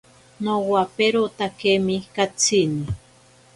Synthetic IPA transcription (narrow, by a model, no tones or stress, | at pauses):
nowapeɾot̪akemikat͡sʰini